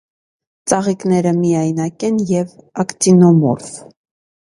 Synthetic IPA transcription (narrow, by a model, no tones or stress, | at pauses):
t͡sɑʁiknɛɾəmijɑjnɑkɛnjɛvɑkt̪inɔmɔ̰ɾf